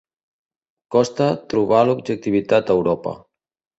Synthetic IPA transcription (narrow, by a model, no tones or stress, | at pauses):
kɔst̪ət̪ɾuβalubʒək̚t̪iβit̪at̪əwɾɔpə̰